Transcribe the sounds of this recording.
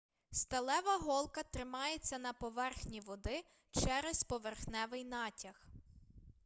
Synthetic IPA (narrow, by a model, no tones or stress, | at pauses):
st̪ɐlˠɛʋɐɦɔlˠkɐt̪ɾɪmɑjet͡sʲːɐnɐpɔʋɛrxnʲiʋɔd̪ɪ | t͡ʃɛɾɛspɔʋerxnɛʋɪjnɑtʲɐx